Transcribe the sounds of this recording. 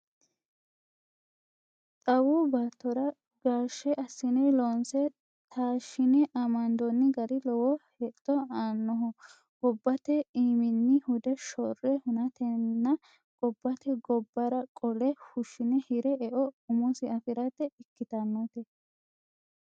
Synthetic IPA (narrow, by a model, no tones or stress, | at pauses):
t̪ʼɐwubat̪ːɔɾɐ | ɡaːʃːɛʔɐsːɪnɛlɔnsɛ | t̪ʰaːʃɪnɛʔɐmɐnd̪ɔnːɪɡɐɾɪlɔwɔhɛt̪ʼːɔaːnːɔɦʊ | ɡ̥ɔbːɐt̪ɛiːmɪnːɪhʊd̪ɛʃɔrːɛhʊnɐt̪ɛnːɐ | ɡ̥ɔbːɐt̪ɛɡɔbːɐɾɐkʼɔlɛhʊʃɪnɛhɪɾɛɛʔɔʊmʊsɪɐfɪɾɐt̪ːɛɪkːɪt̪ɐnːot̪ɛ